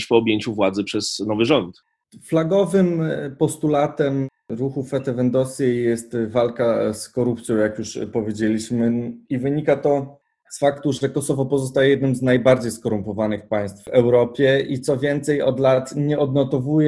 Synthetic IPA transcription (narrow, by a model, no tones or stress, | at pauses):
ɕpɔɔbʲjeɲt͡ɕuvwad̪zɛpʂɛznɔvɘʐɔnt̪ | flaɡɔvɘmpɔst̪ulat̪ɛmɾuxufɛt̪ɛvɛnd̪ɔsʲjejɛst̪valkaskɔɾupt̪sʲjɔ̃w̃jakjuʂpɔvʲjed͡ʑelʲiɕmɘivɘɲikat̪ɔ | sfakt̪uʐɛkɔsɔvɔpɔzɔst̪ajɛjɛd̪nɘmznajbaɾd͡ʑejskɔɾumpɔvanɘxpaj̃st̪vvɛwɾɔpʲjɛʔit̪sɔvʲjɛnt̪sɛjɔd̪lat̪ɲɛʔɔd̪nɔt̪ɔvujɛ